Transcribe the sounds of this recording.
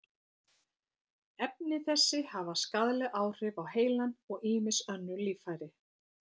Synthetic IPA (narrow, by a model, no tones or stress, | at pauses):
ɛp̚nɪθɛsːɪhavaskaðlɛʔaːwr̥ɪvawheːjlanɔɣiːmɪsœnːʏliːfajɾɪ